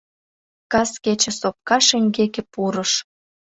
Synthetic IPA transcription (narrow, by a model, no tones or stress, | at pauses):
kɑsket͡ɕə̆sop̚kɑʃeŋʲɡekĕpuɾəʃ